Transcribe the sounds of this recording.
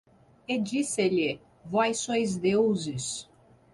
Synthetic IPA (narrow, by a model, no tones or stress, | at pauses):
ed͡ʒisɪʎɪ | vɔjsõjzd̪ewzɪs